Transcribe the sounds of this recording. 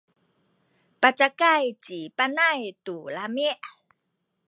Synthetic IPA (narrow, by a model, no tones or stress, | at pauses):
pat͡ʃakajt͡ɕipanajtulamiʔ